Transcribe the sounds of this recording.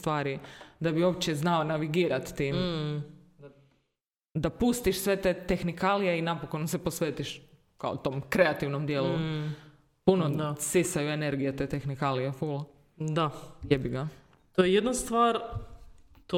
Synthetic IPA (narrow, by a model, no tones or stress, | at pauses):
st̪ʋaːɾid̪abio̞ːp̚t͡ɕeznaonaʋiɡiːɾat̪ːiːm | a | d̪apust̪iʃsʋe̞t̪eːt̪e̞xnikalijeinapokonseposʋeːt̪iʃ | kao̰t̪o̞ːmkɾe̞at̪iʋnomd̪jeːlu | punosisajue̞ne̞ɾɡijet̪e̞t̪exnikalijeful | d̪ajebiɡa | t̪ojejed̪nast̪ʋaːɾ | t̪